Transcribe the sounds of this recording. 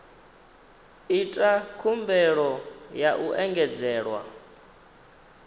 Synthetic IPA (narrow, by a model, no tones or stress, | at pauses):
itʼakʰumbɛɺɔjaʔuʔɛŋɡɛd͡zɛːɺwa̰